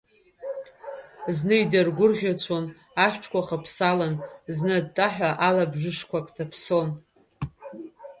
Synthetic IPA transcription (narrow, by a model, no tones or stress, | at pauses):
znɨidarɡʷʊrʁʲat͡ʃʷʰo̞n | aʃʷᶣtʰkʷʰʼaχapʰsalanznɨdtʼːaħʷᶣaʔalabʒɪʂkʷʰakʼtʰapʰson